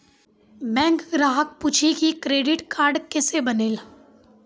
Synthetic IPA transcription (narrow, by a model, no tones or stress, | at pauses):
bɛ̃ːŋɡɡɾaːɦək̚put͡ʃʰikikɾeːɖɪʈkaːɾɖkɛːsebɐneːl